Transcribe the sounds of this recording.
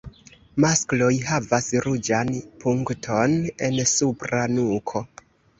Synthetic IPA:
masklo̞jɦavasɾud͡ʒanpʰuŋktʰo̞ne̞nsupɾanukʰo̞

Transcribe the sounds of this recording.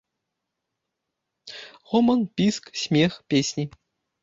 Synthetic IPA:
ʁomɤ̆npʲisksʲmʲexpʲesʲnʲi

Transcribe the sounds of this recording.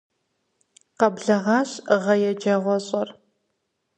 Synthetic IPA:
qɐbɮɐʁɑːɕʁɐjɛd͡ʒɐʁʷɔɕʼɐr

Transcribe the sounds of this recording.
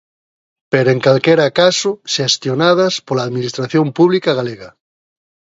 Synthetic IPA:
peɾoeŋkalkeɾakasoʃest̪jonað̞aspolaːðminist̪ɾaθjompuβ̞likaɣaleɣa

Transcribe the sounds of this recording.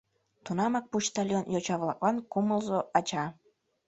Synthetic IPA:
t̪unɑmɑk̚puʃt̪ɑlʲjonjot͡ɕɑβlˠɑ̰k̚lɑnkuməlˠzoʔɑt͡ɕɑ

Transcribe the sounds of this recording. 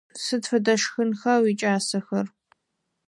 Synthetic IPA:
sɨtfɐdɐʃxɨnxɐwit͡ʃʼaːsɐxɐr

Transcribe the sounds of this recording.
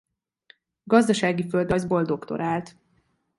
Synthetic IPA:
ɡɒzd̪ɒʃaːɡiføld̪ɒjzbo̞ld̪o̞kt̪o̞̰ɾʔaːlt̪

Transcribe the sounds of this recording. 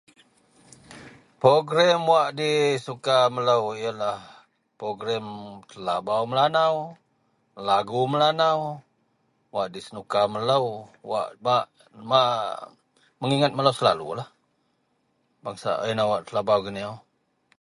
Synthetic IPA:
pɾoɡɾɛmwaʔdisukamələwijəlah | pɾoɡɾɛmt̪əlabawməlanaw | laɡuməlanaw | waʔdisənukamələwwa̰ʔmaʔ | ma | məŋiŋat̪̚mələwsəla̰lṵlah | baŋsa̰ʔinawaʔt̪əlabawɡəniaw

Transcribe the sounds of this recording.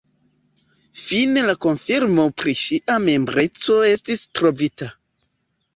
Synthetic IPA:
finelako̞nfiɾmo̞pɾiʃiʔame̞mbɾe̞t͡so̞e̞stistɾo̞vita

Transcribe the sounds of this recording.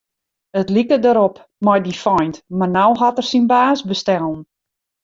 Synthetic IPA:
ətlikədəɾɔp | mɔjdifɔjntmarnawɦɔtərsinbaːsbəstɛlˠn̩

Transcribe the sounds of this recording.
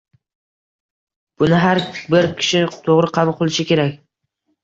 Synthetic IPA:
b̥ʊnɪɦaɾbɪɾkʲʰɪ̥ʃɪt̪ʰoʁɾɪqʰɑbʊlˠqolˠɪʃɪkʲe̞ɾakʲ

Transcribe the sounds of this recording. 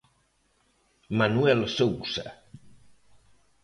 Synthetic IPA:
manuɛlsowsə̰

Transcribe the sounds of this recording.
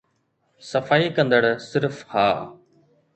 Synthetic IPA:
sɐfaːiːkə̃nd̪əɽsɪɾfhaː

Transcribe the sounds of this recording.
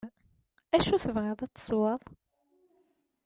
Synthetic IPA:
æʃuθəvʁɑðˤæt͡sːə̥sˤwɑðˤ

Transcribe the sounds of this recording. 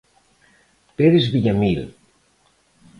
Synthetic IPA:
peɾezβiʎamil

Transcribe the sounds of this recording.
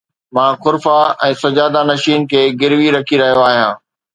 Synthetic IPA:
mãːxʊɾfaɛ̃ːsɐd͡ʑaːd̪anɐʃiːnkʰeːɡɪɾʋiɾɐkʰiɾɐɦijoaːɦijãː

